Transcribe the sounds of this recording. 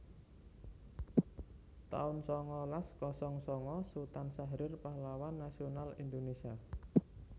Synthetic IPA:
t̪a̰ʊnsɔŋɔlaskɔsɔŋsɔŋɔsut̪ansaɦɾɪrpahlawanːasionalḭnd̪onesia

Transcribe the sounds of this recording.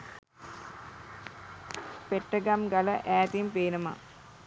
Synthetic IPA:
peʈːəɡamɡaləʔæːt̪impeːnəma̰

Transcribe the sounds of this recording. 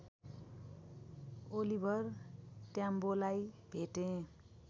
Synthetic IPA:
olibʱʌrtjambolajbʱeʈẽ

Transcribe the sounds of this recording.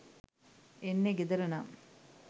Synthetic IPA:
enːeɡed̪ɐɾɐnam

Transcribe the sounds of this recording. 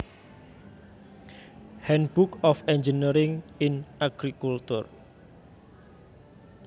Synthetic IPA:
hɛnbukɔfɛnd͡ʒinəɾɪŋɪnʔaɡ̥ɾikult̪ʊr

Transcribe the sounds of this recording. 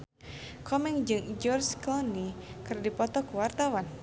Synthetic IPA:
kɔmɛŋd͡ʒɨŋd͡ʒɔrskɔnikɨrdipɔt̪ɔkuwart̪awan

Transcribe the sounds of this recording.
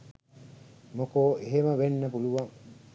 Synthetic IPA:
mokoeɦemɐʋenːɐpuluʋɐŋ

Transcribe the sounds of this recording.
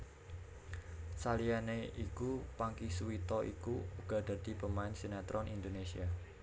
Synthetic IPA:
salijaneikupaŋkisuwit̪ɔʔḭkuuɡ̥ɔ̤d̪̥a̤d̪̥i̤pəmaɪnsenat̪ɾɔnʔind̪onesia

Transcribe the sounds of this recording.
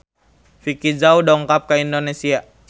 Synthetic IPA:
fikid͡ʒaudɔŋkap̚kaindonesia

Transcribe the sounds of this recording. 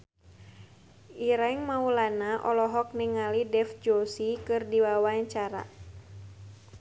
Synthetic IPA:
iɾaiŋmaulanaʔɔlɔɦɔk̚niŋalidɛfd͡ʒosikɨrdiwawaɲt͡ʃaɾa̰

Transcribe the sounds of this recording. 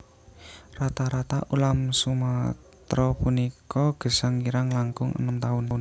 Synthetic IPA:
rat̪aɾat̪aʔulamsuma | t̪ɾɔpunikɔɡ̥ə̤saŋiɾaŋlaŋkʊŋʔə̰nəmt̪aʊnʊn

